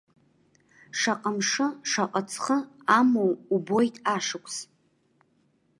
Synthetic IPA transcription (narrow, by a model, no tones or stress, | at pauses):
ʂaqʼamʂɨʂaqʼat͡sʰχə | amowubojtʼaʂɨkʷʰʼs